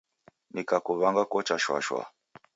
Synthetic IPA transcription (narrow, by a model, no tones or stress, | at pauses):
nikakuβaŋɡakɔt͡ʃaʃwa̰ʃwa̰